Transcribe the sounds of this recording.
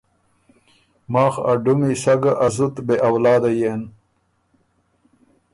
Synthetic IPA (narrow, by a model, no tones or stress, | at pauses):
mɑːxa̰ɖumiɕaɡaʔazut̪beʔawlɑːd̪ajen